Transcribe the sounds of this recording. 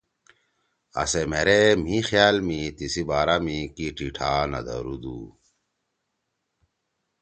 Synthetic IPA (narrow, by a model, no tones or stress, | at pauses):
ɐ̰semeɾem̤ĩxjaːlmit̪isibaːɾamikiʈiʈʰaːnɐ̰d̪ɐ̰ɾud̪ṵ